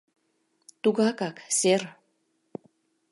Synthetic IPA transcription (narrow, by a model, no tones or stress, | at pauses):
t̪uɣɑkɑkser